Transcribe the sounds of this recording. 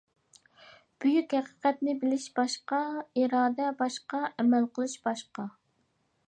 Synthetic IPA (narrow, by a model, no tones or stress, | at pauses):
b̥yjykʲhæqə̥qɛt̪nɪbɪlɪʃb̥ɑʃqɑiɾɑːd̪ɛbɑʃqɑʔɛmɛlqʰəlˠɨʃb̥ɑʃqɑ